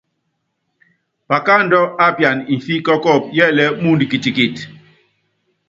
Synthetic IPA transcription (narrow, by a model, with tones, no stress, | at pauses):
pa˨ka˦˨n̩˦dɔ˦a˦pja˨ni˨n˨fi˦kɔ˦kɔ˦˨p̚jɛ˦˨lɛ˦mu˦n˨di˨ki˨ti˨ki˨t